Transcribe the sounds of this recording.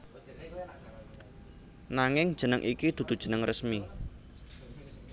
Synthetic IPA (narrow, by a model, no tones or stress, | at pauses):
naŋɪŋd̥ʒ̥ə̤nəŋʔikid̪̥ṳd̪̥ṳd̥ʒ̥ə̤nəŋrəsmi